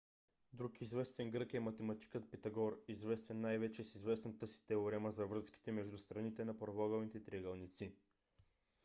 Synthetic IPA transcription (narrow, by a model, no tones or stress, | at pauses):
d̪ɾukizvɛst̪ɛŋɡɾɤkɛmɐt̪ɛmɐt̪i̥kət̪̚pɛt̪ɐɡɔɾizvɛst̪ɛnːajvɛt͡ʃɛsizvɛsnɐt̪əsi̥t̪ɛoɾɛmɐzɐvɾɤski̥t̪ɛmɛʒd̪ust̪ɾɐnit̪ɛnɐpɾovɔɡɐlnit̪ɛt̪ɾɛɡɐlˠnit̪si